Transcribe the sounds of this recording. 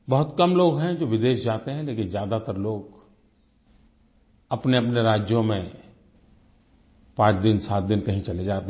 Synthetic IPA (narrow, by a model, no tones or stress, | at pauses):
bɐɦʊt̪kɐmloːɡɦɛ̃d͡ʒoːʋɪd̪eːʃd͡ʒaːt̪eɦɛ̃leːkɪnzjaːd̪at̪əɾloːɡ | ɐpneɐpneɾaːd͡ʒjõmẽ | pãːt͡ʃd̪ɪnsaːt̪̚d̪ɪnkɐɦĩt͡ʃɐled͡ʒaːt̪e